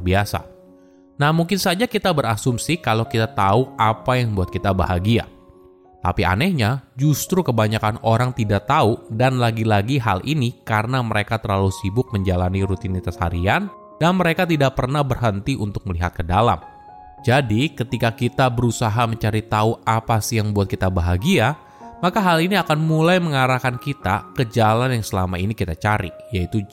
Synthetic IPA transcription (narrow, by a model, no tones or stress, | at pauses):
abiasa̰ | nahmuŋkɪnsad͡ʒakit̪abəɾasumsikalowkit̪at̪auapajaŋbuat̪̚kit̪aba̰ɦaɡia̰ | t̪a̰pia̰nɛhɲad͡ʒust̪ɾukəbaɲakanoɾaŋt̪idaʔt̪audanlaɡilaɡiɦa̰lʔinikaɾənaməɾekat̪ərlalusibʊk̚məɲd͡ʒalaniɾut̪init̪asha̰ɾian | danməɾekat̪̬idaʔ̚pərnahbərɦənt̪iʔunt̪ʊk̚məliɦat̪̚kədala̰m | d͡ʒadikət̪ikakit̪abəɾusaɦaməɲt͡ʃaɾit̪auapasɪjaŋbuat̪̚kit̪abaɦaɡia | makaɦaliniakanmulajməŋaɾakankit̪a̰kəd͡ʒalanjaŋsəlamainikit̪at͡ʃaɾḭjait̪u